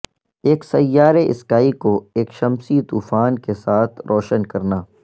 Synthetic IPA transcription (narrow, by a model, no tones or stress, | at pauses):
eːksɐjːaːɾeʔɪ̰skaːikoeːkʃɐmsit̪uːfaːnkesaːt̪ʰɾʔɔːʃənkɐɾnaː